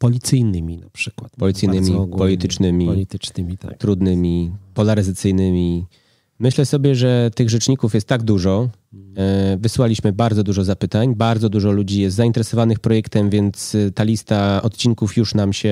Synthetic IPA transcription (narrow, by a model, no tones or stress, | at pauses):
pɔlʲit̪sɘjnɘmʲinapʂɘ̥kwat̪pɔlʲit̪sɘjnɘmʲipɔlʲit̪ɘt͡ʂnɘmʲiit̪t͡ʂnɘmʲit̪a̰t̪ɾud̪nɘmʲipɔlaɾɘzat̪sɘjnɘmʲi | mɘɕlɛsɔbʲjɛʐɛt̪ɘɣʐɛt͡ʂɲikufjɛst̪ːaɡ̚d̪uʐɔ | vɘswalʲiɕmɘbaɾd̪zɔd̪uʐɔzapɘt̪aɲbaɾd̪zɔd̪uʐɔlud͡ʑijɛst̪zaint̪ɛɾɛsɔvanɘxpɾɔjɛkt̪ɛmvʲjɛnt̪st̪alʲist̪aɔt̪t͡ɕiŋkufjuʂnamɕɛ